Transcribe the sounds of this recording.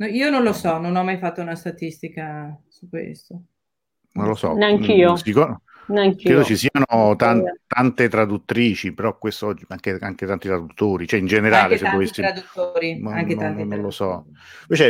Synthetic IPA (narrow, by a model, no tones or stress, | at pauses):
noiːononlosɔnonɔmːajfat̪ːounast̪at̪ist̪ikasukːwḛst̪ːo | nonlosɔ̰naŋiːosikː | naŋkkːɾeːd̪okesiːanot̪ant̪ant̪et̪ɾad̪ut̪ːɾiːt͡ʃipeɾɔkwest̪ɔd͡ʒiaŋk̟eaŋk̟et̪ant̪it̪ɾad̪ut̪ːoːɾit͡ʃoɛind͡ʒeneɾaːlesevːovesːiɾad̪ut̪ːoɾiaŋket̪annːonlosɔ | vet͡ʃɛ